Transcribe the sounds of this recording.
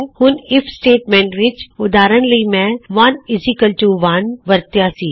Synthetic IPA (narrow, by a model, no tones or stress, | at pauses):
hʊnɪfʰsʈeːʈmẽːɳʈʋɪt͡ʃʊd̪aːɾənlɐimɛ̃ʋɐnɪzikəlʈuʋanʋɐɾt̪jasiː